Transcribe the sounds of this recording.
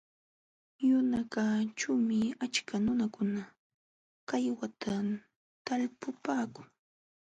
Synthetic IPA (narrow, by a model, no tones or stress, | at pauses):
jʊnakat͡ʃumɪat͡ʃkanʊnakʊna | kajwat̪ʰa | t̪alpʊpaːkʊŋ